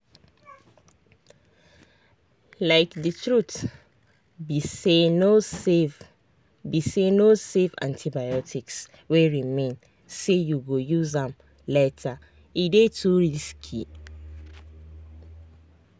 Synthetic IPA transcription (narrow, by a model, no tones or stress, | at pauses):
laɪkdətʰɹut | biseno | bisenosevã̰ntʰibajɔtʰiks | weɹimẽn | sejuɡojuzãm | lɛtʰa | idetʰuɹiskʰi